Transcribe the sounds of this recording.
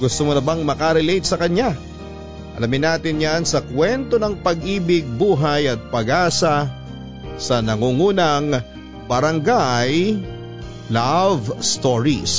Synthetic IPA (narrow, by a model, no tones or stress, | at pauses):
ɡʊst̪omonɐbaŋmɐkɐɾɛlejt̪̚sɐkɐɲa | ʔɐ̰lɐmɪnaːt̪ɪnjansɐkwɛnt̪o̞nɐŋpɐɡʔiːbɪɡ̚buːɦajɐt̪̚pɐɡʔaːsɐ | sɐnɐŋuːŋuːnɐŋ | bɐɾɐŋɡaj | lavst̪oɹḭs